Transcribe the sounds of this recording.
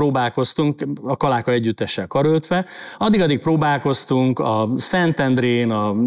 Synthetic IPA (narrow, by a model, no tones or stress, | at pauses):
ɾoːbaːlko̞st̪uŋkɒkɒlaːkɒɛɟːyt̪ːɛʃːɛlkɒɾølt̪ʋɛɒd̪ːiɡɒd̪ːik̚proːbaːlko̞st̪uŋkɒsɛnt̪ɛnd̪ɾeːnɒ